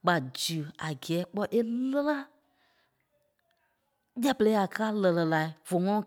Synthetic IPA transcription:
k͡pa˨d͡ʒɨ˨a˨ɡɛː˨˦k͡pɔ˦ʔe˦lə˦la˦ | ja˦˨pə˨le˨˦a˨kaː˦lə˨lə˨la˨i˨v̥o˨ŋɔ̃˦˨˦

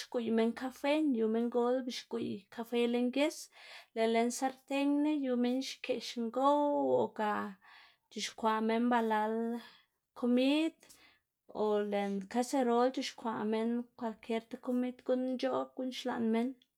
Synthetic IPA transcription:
ʃku˨jme˧ŋka˦fe˦nju˧me˧ŋɡo˦lbi˧˨ʃɡu˨jka˧fe˧le˧ŋɡje˦sle˨le˨nsa˦ɾt̪e˦ɲne˦ju˧me˦nʃkʰe˨ʃŋɡo˦wo˨ka˨ | t͡ʃu˨ʃkʷa˨me˧˦nba˧la˧l | kʰo˧mi˦d̪̥ | o˨le˨nka˦se˧ɾo˧lt͡ʃu˧ʃkʷa˨me˧nkʷwa˧lkʰe˧ɾt̪a˦ko˧˦mi˦d̪ɡu˦n˦t͡ʃo˦ɡ̥u˦nʃla̰˨nme˦n

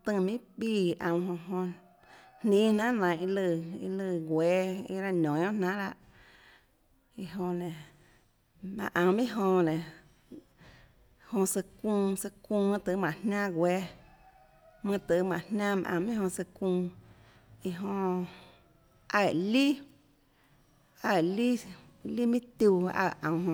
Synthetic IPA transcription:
t̪ɨ̃˧˨mĩ˦biː˧˨˧ʔã˧˨wɦõ˧ɦõ˧ | nnĩː˦nã˦nã˨ʔi˧lɨ˧˨ḭ˧lɨ˧˨ɡweː˨˧˦ḭ˧ɾa˧nõ˨˦õ˦nã˦la˧ʔ | i˧ɦõ˧nẽ˨ | mã̰˧˨ʔã˧˨mĩ˦ɦõ˧nẽ˨ | hõ˧sɨ˧kũː˧sɨ˧kũː˧mɨ̃˦t̪ɨ˨˧˦mã˨nnã˦ɡweː˧ | mɨ̃˧t̪ɨ˨˦mã̰˨nnãː˦mã̰˧ʔã̰˧˨˧mĩ˦hõ˧sɨ˧kũː˧ | i˧ɦõ˧ | a˧˨li˦ | a˧˨li˦ | li˦mĩ˦t̪u˧a̰˧˨ã˨ɦõ˧

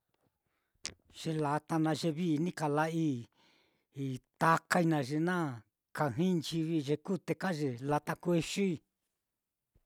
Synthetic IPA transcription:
ʐ̥e˧la˧t̪a˧nã˧ʐe˧βi˦˧nĩ˦ka˨la˦i˦˧ | t̪a˧ka˧i˧nã˧ʐe˧nã˦ | ka˧˨ɦĩ˦˧nt͡ʃi˧βi˧ʐe˧ku˦t̪e˧ka˦ʒe˧la˧t̪a˧kʷe˧ʃu˦i˧

